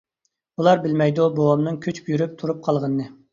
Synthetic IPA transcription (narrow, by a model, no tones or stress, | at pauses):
ulˠɑɾbɪlmɛjd̪ubowɑmnɨŋkʲʰyt͡ʃbjyɾyp̚t̪ʰuɾup̚qʰɑlˠʁənːɨ